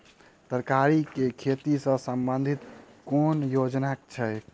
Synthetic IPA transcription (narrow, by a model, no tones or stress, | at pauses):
t̪əɾkaɾikekʰet̪isə̃səmbənd̪ʱit̪ | konjod͡ʒnakt͡ʃʰɛj